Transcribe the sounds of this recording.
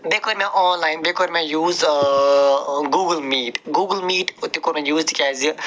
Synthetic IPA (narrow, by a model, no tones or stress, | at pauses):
bekʰoɾmɛ̃ʔɔːnlaːɪnbekʰoɾmẽjuːz | ɡuːɡəlmiːʈɡuːɡəlmiːʈʊt̪ːikoɾmẽjuːzd̪kʲaːzi